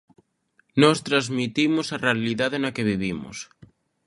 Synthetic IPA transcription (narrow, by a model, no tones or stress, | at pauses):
nɔst̪ɾazmit̪imosarealiðaðenakeβiβimo̰s